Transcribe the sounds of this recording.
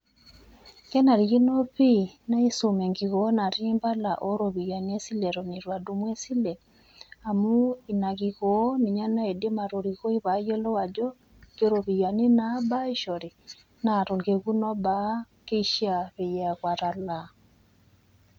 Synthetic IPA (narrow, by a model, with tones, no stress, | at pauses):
kɛ˦na˨ɾi˨ɣi˦no˦pi˦na˦i˦so˨me˨ŋɡi˨ɣo˨˦na˨ɾi˦mba˦la˨ʔo˦ɾo˨βi˨ja˨ni˦e˦si˦le˨ɾo˨ni˨ɾwa˨du˨mwe˦si˦le˨ | a˨mu˦i˨na˨ɣi˨ɣo˨˦ni˨ɲa˦na˦e˨de˦ma˨ɾo˨ɾi˨ɣo˦i˦βa˨˦je˦lɔ˦wa˨d͡ʒɔ˦ | ke˦ɾo˨βi˨ja˨ni˦na˦ba˦i˦ʃɔ˨ɾe˨ | na˨ɾo˨ŋɡe˨ɣu˦nɔ˦ba˦ | ke˦i˦ʃi˦a˨βe˨jɛ˨a˨ɣwa˨ɾa˨la˨